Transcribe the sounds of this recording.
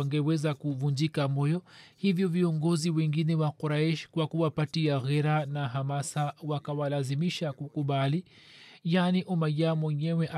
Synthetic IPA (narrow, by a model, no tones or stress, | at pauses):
aŋɡɛwɛzakuvuɲd͡ʒikamɔjɔhivjɔviɔŋɡɔziwɛŋɡinɛwakɔɾaɛʃkwakuwapatiaɣɛɾanaɦamasawakawalazimiʃakukuɓali | janiʔumajamwɛɲɛwɛʔa